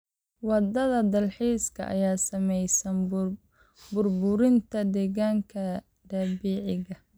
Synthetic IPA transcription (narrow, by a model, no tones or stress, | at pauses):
wɑd̪ɐðɐd̪ɐlħiːskʰɐ̰ʔɐ̰jaːsɐmɛjsɐn | bʊrbʊɾɪnt̪ʰɐd̪ɛːɣaːŋkʰɐ | d̪ɐːbiːʕɪɣɐ